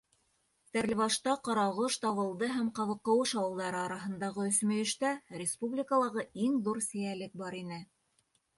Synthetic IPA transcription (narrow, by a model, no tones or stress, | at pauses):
t̪æɾlɘvɑʃt̪ɑqɑɾɑʁɤʃt̪ɑβɤ̆lˠd̪ɤɦæmqɑβɤ̆qːɤ̆wɤʃɑwɤ̆lˠd̪ɑɾɤɑɾɑɦɤ̆nd̪ɑʁɤɵ̆θmɵ̆jɘ̆ʃt̪æɾʲɪspublʲɪkəlˠɑʁɤiŋðuɾsɘ̆jælɘk̚bɑɾinɘ